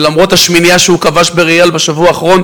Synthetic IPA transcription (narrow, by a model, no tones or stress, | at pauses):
lamʁot̪haʃminjaʃeukavaʃbeʁijalbeʃavuaːχʁo̞n